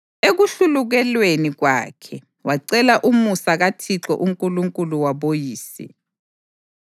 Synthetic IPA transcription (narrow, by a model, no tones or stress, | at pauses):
eɣuɬuluɣɛlweniɣwa̰ːkʰɛ | waǀɛlaʔumusaɣatʰiǁɔ̰ʔuŋkʼuluŋkʼuluwaβojiːsɛ̰